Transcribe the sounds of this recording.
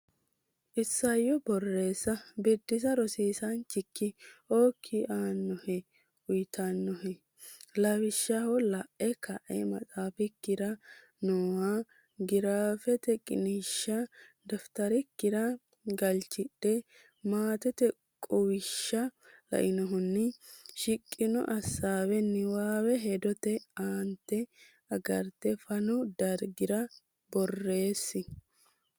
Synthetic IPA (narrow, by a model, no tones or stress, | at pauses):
ʔɪsːɐjːɔbɔrːeːsːɐbɛd̪ːɪsɐɾɔsiːsɐnt͡ʃːɪkːɪoːkʰːɪʔaːnːɔhɛ | ʊjt̪ʰanːɔhɛ | lɐwɪʃːahɔlɐʔɛkɐʔɛ̰mɐ̰tʼaːfɪkːɪɾɐ | noːwa | ɡɪɾaːfɛt̪ɛkʼɪ̰niʃːɐd̪ɐft̪ɐɾɪkːɪɾɐ | ɡɐlt͡ʃːɪɗːɛ | maːt̪ɛt̪ɛ | kʼʊwɪʃːɐ | lɐ̰ʔɪnɔɦʊnːɪʃɪkʼːɪnɔ̰ʔɐsːaːwɛnːɪwaːwɛɦɛd̪ɔt̪ɛaːnt̪ːɛ | ɐɡɐɾt̪ːɛfɐnʊd̪ɐɾɡɪɾɐ | bɔrːe̞ːsːɪ